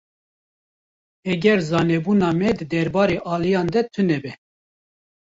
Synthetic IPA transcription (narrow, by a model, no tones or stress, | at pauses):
ɛɡɛɾzɑːnɛbuːnɑːmɛd̪ɨd̪ɛɾbɑːɾeːʔɑːlijɑːnd̪ɛt̪ʰɨnɛbɛ